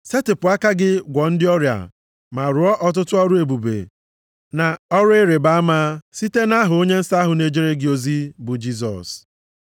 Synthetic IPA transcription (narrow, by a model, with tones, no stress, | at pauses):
se˦tɪ˨pʊ˨a˦ka˦ɡɪ˦ɡʷɔ˨n̩˦dɪ˦ɔ˦ɾja̰˨ | ma˨ɾʊ˨ɔ˦ʔɔ˦t̬ʊ˦tʊ˦ɔ˦ɾu˦e˨bu˨bḛ˨ | na˨ɔ˦ɾʊ˦ɪ˦ɾe˨ba˦a˦ma˦si˦te˦na˦ɦʊ˨o˦ɲe˦n̩˦sa˦ɦʊ˨ne˨d͡ʒi˦ɾe˦ɡɪ˦o˦zi˦bʊ˨d͡ʒi˦s̬ɔ̰˨s